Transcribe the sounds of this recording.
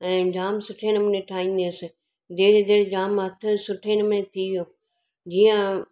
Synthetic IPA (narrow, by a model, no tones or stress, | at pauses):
ɛ̃ːd͡ʑaːmsʊʈʰenəmʊneʈʰaːĩːn̆d̪iʊsɪ | d̪eːɾd̪eːɾd͡ʑaːmɦɐt̪ʰʊ̆sʊʈʰeːnəmʊnet̪ʰiʋijoː | d͡ʑiːə̃